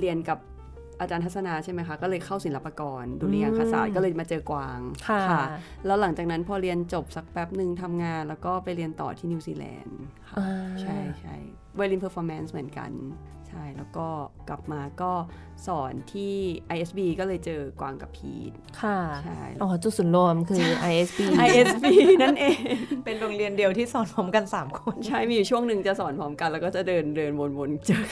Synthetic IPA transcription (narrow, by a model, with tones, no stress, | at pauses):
ɾi˧ənka˨˩p̚ | ʔaː˧t͡ɕaː˧nt̪ʰt̚sa˧naː˧t͡ɕʰa˥˩ma˦˥jkʰa˦˥kɔː˥˩lɤː˧jkʰa˥˩wsi˩˦nla˦˥pːaː˧kɔː˧nduː˧ni˧˦jaː˧ŋkʰa˧sa̰ː˨˩kɔː˥˩lɤː˧jmaː˧t͡ɕɤː˧kwaː˧ŋkʰa˥˩kʰa˩˥˩ | lɛː˦˥wla˨˩˦ŋt͡ɕaː˨˩k̚na˦˥npʰɔː˧ɾi˧ənt͡ɕo˨˩p̚sa˨˩k̚pɛ˦˥p̚nɯ˨ŋt̪ʰa˧mŋaː˧nlɛː˦˥wkɔː˥˩pa˧jɾi˧ənt̪ɔ̰ː˨˩t̪ʰiː˥˩niː˧wsiː˧lɛ̰ː˧nkʰa̰˦˥˩a˩˧t͡ɕʰa˥˩jt͡ɕʰa̰˥˩j | weː˧liː˧npʰəː˧˥fɔː˧˥mɛ˦˥nsmɯ˨˩˦ənka̰˧n | t͡ɕʰa˥˩jlɛː˦˥wkɔː˥˩kla˨˩p̚maː˧kɔː˥˩ | sɔː˩˦nt̪ʰiː˥˩ʔa˧jʔe˦˥sbiː˧kɔː˥˩lɤː˧jt͡ɕɤː˧kwaː˧ŋka˧˩pʰḭː˧˩t̪̚kʰa˥˩t͡ɕʰa˥˩jlʔɔː˧˩t͡ɕu˨˧˩su˨˩˦nlo˧˩mkʰɯː˧ʔa˧jʔe˦˥sbiː˧ʔa˧jʔe˦˥sbiː˧na˥˩nʔeː˧ŋpe˧nɾo˧ŋɾi˧əndi˧əwt̪ʰiː˥˩sɔː˩˦npʰɔː˦˥mka˧nsaː˩˦mkʰo˧nt͡ɕʰa˥˩jmiː˧ju˨˩t͡ɕʰu˥˩əŋnɯ˨˧ŋt͡ɕa˨˩sɔː˩˦npʰɔː˦˥mka˧nlɛ˦˥wkɔː˥˩t͡ɕa˨˩dɤː˧ndɤː˧nwo˧nwo˧nt͡ɕɯ˨˩k̚